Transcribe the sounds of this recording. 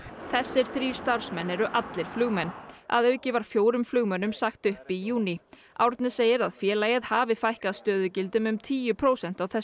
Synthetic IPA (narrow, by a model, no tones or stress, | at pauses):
θɛsːɪɾ̥θɾi̥ːst̪aɾ̥smɛnːɛɾʏʔat̪lɪɾ̥flʏɣmɛnːa̰ðœɥcɪvaɾ̥fjoːwɾʏmflʏːɣmœnːʏmsaxt̪ʏhpijuːni | ʔawɾt̪nɪseːjɪɾaðfjɛːlaːjɪðhaːvɪfajhkaðst̪œːðʏcɪlt̪ɪmʏmt̪ʰiːjʏpʰɾoːwsɛn̥t̪awθɛs